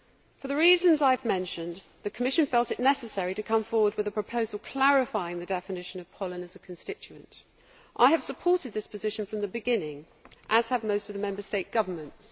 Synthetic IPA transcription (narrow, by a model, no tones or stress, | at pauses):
fəðəɹiːzə̃nzaɪvmɛ̃nʃɨ̃n | ðɨkʰəmɪʃɨ̃nfɛlˠtɨʔⁿnɛsɨsɛɹiɾɨkʰʌ̃ɱfɔːwəd̚wɨðəpʰɹ̥əpʰəʊzəlˠkʰl̥æɹɪfaɪɪ̃ŋðɨdɛfɨnɪʃə̃nʌv̥pʰɒlˠə̃nɨzəkʰn̩stɪt͡ʃʉə̰̃nt | ʔaɪɨv̥səpʰɔˑtɨd̪̚ðɪspʰɨzɪʃə̃n̩fɹʌ̃mðəbɨɡɪ̃nɪ̃ŋ | ʔəz̥əvməʊstʌvðəmɛ̃mbəsteɪʔ̚ɡ̥ʌvəmə̃nts